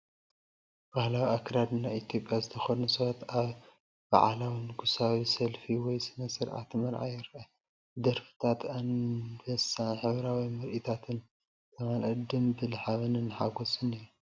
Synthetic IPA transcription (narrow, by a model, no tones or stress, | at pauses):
b̥ahlawiakɾad̪nait̪ʰjo̞pʼjazɨt̪ʰɐxonusɐwat̪aβ | b̥a̰ʕalawinɨɡʰusawisɐlfiwɔjsɨnɐsɨɾʔa̰t̪mɐɾʕa̰jɪɾʔɐ | ɨd̪ɐɾfɨ̥t̪ʰat̪anbɐsanħɨβɾawimɨɾʔit̪ʰat̪ʰɨn | t̪ʰɐmalʔɨd̪ɨmbɨlħaβɨnɨnːɨħaɡosʼɨnɨjːu